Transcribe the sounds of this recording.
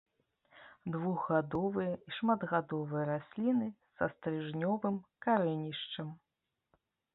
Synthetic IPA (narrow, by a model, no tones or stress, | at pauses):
d̪vuɣɣad̪ɔvɨjɐiʂmad̪ɣad̪ɔvɨjɐɾasʲlʲinɨsɐst̪ɾɨʐnʲɔvɨmkaɾɛnʲiʂt͡ʂɐm